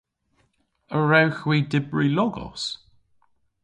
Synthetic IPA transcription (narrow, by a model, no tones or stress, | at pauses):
əɹawxwiːdɪbɹilɔɡɔ̰s